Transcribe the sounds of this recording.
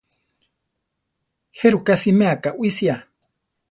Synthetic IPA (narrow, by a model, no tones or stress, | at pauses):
heɾukasimeakaʔwisia